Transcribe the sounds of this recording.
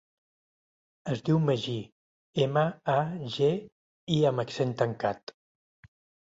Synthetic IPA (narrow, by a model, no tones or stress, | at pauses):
əzd̪iwməʒi | eməaʒe | iəməksent̪əŋkat̪